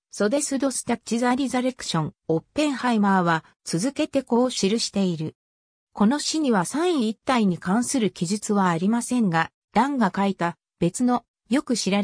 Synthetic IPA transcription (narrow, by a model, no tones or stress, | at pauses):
so̞d̪e̞sɨd̪o̞sɨ̥t̪ḁt͡ɕizaɾʲizaɾe̞kɯ̟̥ɕõ̞ŋopːẽ̞ɰ̃haimaːβa | t͡sɨzɨke̞t̪e̞ko̞ːɕiɾɯ̟ɕi̥t̪e̞iɾɯ̟ | ko̞no̞ɕiɲ̟iβasãɰ̃iːt̪ːaiɲ̟ikãɰ̃sɨɾɯ̟kʲiʑɨt͡sɨβaːɾʲimasẽ̞ŋɡa | d̪̥ãŋɡakait̪a | b̥e̞t͡sɨno̞ | jo̞kɯ̟ɕiɾa